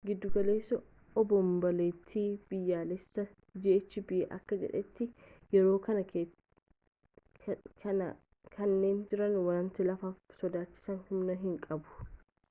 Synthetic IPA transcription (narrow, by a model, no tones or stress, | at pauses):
ɡɪd̪ːʊɡɐle̞ːsɐ | ɔbɔmbɐleːt̪ʰːiːb̥ɪjːaːlɛsːɐ | d͡ʒɛʔɛt͡ʃːɪbɪʔeʔɐkːɐd͡ʒɛ̰ᶑɛt̪ːɪjɛɾo̞ːkɐnɐ | ɐ | kʰɐnːe̞ːnd͡ʒɪɾɐnwɐɾɐnt̪ɪlɐfaːfsɔd̪aːt͡ʃːɪ̥sɐnhʊmnɐɦɪŋkʼɐbʊ̥